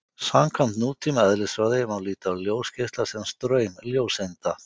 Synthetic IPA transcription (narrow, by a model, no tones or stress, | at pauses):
samkʰvamt̪nuːt̪ʰimɛðlɪsɾaðɪjɪmawliːt̪awljoːwscɪst̪lasɛnst̪ɾœːɥmljoːwsejnt̪a